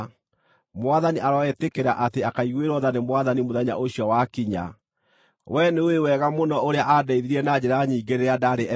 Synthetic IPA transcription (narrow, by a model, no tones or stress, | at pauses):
moaðaniʔaɾɔɛtekeɾaʔateakaiɣweɾɔðanemwaðanimoðaɲa̰ʔoɕjɔwakiɲa̰ | wʔɛnewewɛɣamonɔoɾeaʔadɛiðiɾiɛnad͡ʑɛɾaɲiːɡeɾeadaɾeɛ